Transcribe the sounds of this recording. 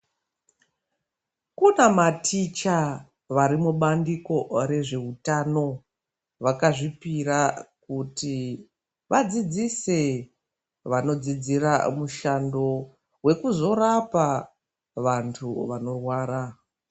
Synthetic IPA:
kunamatʰit͡ʃa | ʋaɾimuɓandiko̞ɾe̞ʐe̞utano̞ | ʋakaʐipirakuti | ʋad͡zid͡zise | ʋano̞d͡zid͡ziramuʃando̞ | we̞kuzo̞rapa | ʋantʰuʋano̞rwaːɾa

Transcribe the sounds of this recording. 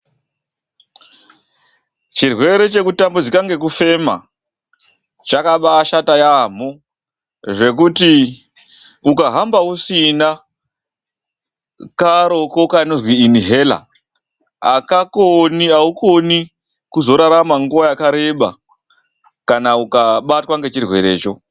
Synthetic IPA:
t͡ʃirwe̞ɾe̞t͡ʃe̞kutambod͡zikaŋɡe̞kufe̞ma̰ | t͡ʃakaɓaːʃatajam̤o | ʐe̞kuti | ukaɦambausina | kaɾo̞kokanizwiːniɦe̞la̰ | akakoniauko̞ni | kuzo̞ɾaɾamaŋɡuʋajakaɾe̞ɓa̰ | kanaukaɓatwaŋɡe̞t͡ʃirwe̞̰ɾe̞̰ːt͡ʃo̞

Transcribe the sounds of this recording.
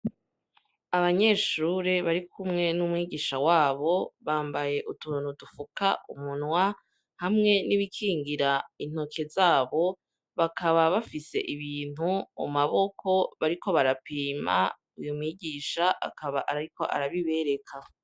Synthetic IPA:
aβaɲe̞ːʃuɾeβaɾikʰumŋe̞numŋiːɟiːʃawaːβo̞βaːmbaje̞ʔutunudufuka̰ṵmunwa | hamŋe̞niβikʰiːŋɡiɾain̥ho̞kʰe̞zaːβo̞ | βakʰaβaβafise̞̰ʔiβiːn̥huo̰maβo̞kʰo̞βaɾiko̞βaɾapiːma̰ | ujomŋiːɟiːʃaʔa̰kaβaʔaɾaɾiko̞̰ʔa̰ɾaβiβe̞ɾe̞kʰa

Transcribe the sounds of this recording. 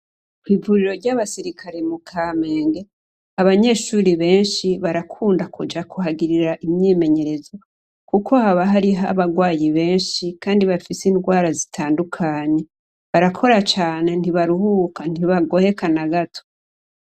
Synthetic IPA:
kwiːvuɾiɾo̞ɾɟaβasiɾikʰaɾemukʰame̞ːŋɡe | aβaɲe̞ʃuːɾiβe̞ːnʃiβaɾakʰuːndakud͡ʒakuɦaɡiɾiɾaʔimɲeme̞ɲe̞ɾe̞zo | kukʰo̞haβaɦaɾiɦa̰βaɡwaːjiβe̞ːnʃikaːndiβafisiːnɡwaːɾazitʰaːndukʰaɲe̞ | βaɾakʰo̞ɾat͡ʃaːne̞n̥iβaɾuhuːkan̥iβaɡo̞he̞kanaɡatʰo̥

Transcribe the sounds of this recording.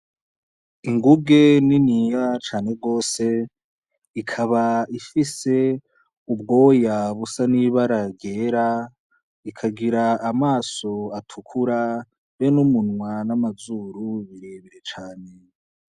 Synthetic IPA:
iŋɡub̚ɡe̞ninijat͡ʃaːne̞ɡo̞ːse̞ | ikʰaβaifise̞ | ub̚ɡo̞ːjaβusaniβaɾaɡɡe̞ːɾa | ikʰaɡiɾaːmaːso̞atʰukʰuɾa | βenumunŋwanamazuːɾuβiɾe̞ːβeɾet͡ʃaːne̞

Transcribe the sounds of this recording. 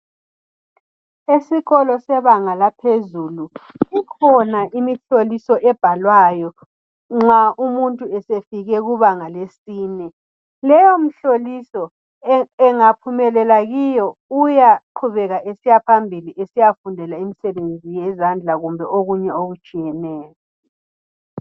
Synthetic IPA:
esiɣɔlɔsɛβaŋalapʰezuluikʰɔnaʔimiɬolisɔʔɛb̥ʱalwajɔ | ŋ͡ǁaumuntʼuɛsefiɣɛɣuβaŋalesiːnɛ | lɛjɔm̩ɬolisɔ | ɛŋapʰumɛlɛlaɣijɔujaǃʰuβɛɣaʔesijapʰambʱiliʔesijafundʱɛlaimisɛβend͡zʱijɛzand͡ɮʱaɣumbʱɛoɣuɲɛoɣut͡ʃʼijɛnɛːjɔ

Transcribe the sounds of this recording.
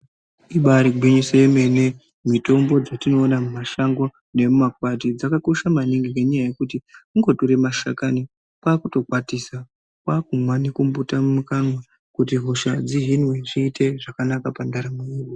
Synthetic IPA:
iɓaɾiɡʱwiɲisejeme̞ne̞ | mito̞mbo̞d͡zatino̞ːnamumaʃaŋɡo̞ | ne̞mumakwat̬id͡zakako̞ʃamaniŋɡiŋeɲajaje̞kut̬iuŋɡo̞toɾe̞maʃa̰kani | pwaːkuto̞kwatisa | kwaːkumwanikumbutamumukanwa | kut̬iɦoʃad͡ziʐinweʐiːtʰe̞ʐakanakapandaɾamoiːru

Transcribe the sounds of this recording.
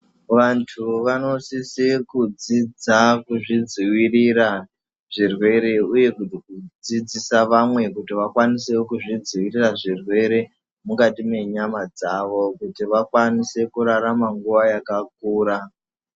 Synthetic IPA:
ʋantʰuʋano̞sisikud͡zid͡zakuʐid͡ziwirira | ʐ̥irwe̞ɾe̞uje̞kutikud͡zid͡zisaʋamwe̞kutiʋakwanisekuʐid͡ziwiriraʐirwe̞ɾe̞ | mukatime̞ɲamad͡zaʋo̞kutiʋakwanise̞kuɾaɾamaŋɡuʋajakak̚uːɾa

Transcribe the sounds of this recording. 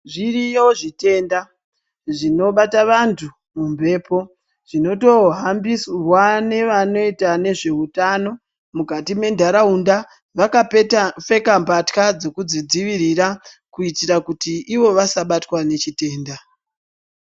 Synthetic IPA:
ʐirijo̞ʐite̞nda | ʐino̞ɓataʋantʰu | mumbʱe̞ːpo̞ | ʐ̥ino̞to̞ɦambisrwane̞ʋano̞itane̞ʐe̞utano̞ | mukatime̞ndʱaɾaunda | ʋakafe̞kambatkad͡zo̞kud͡zid͡ziʋiɾiɾa | kuitiɾakutiʔiʋo̞ʋasaɓatwane̞t͡ʃite̞ːnda

